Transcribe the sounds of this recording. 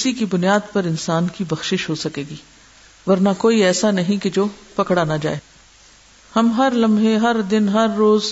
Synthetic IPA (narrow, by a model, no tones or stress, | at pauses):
ɪsikibʊnijaːd̪pɐɾɪnsaːnkibɐxʃɪʃɦoːsɐkeːɡiː | ʋɐɾnakoːiɛːsanɐɦĩked͡ʒoːpɐkɽanad͡ʒa̰ːeː | hɐmɦɐɾlɐ̃mbʱeɦɐɾd̪ɪnɦɐɾːoːz